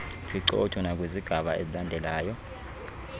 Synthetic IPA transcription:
pʰiǃɔ̰tʰɔnak̬ʼweziɡ̥ʱaɓaḛzilandʱɛlaːjɔ

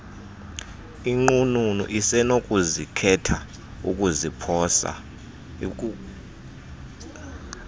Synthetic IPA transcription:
iŋ͡ǃununṵʔisɛnok̬ʼuzikʰɛtʰa | ṵkʼuzipʰɔːsa̰

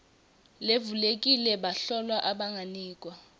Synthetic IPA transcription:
levulek̬ʼilɛɓaɬɔlwaʔaɓaŋɡʱaniːk̬ʼwa

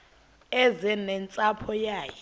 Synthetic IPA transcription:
ɛzɛnɛnt͡sʼapʰɔjaːjɛ

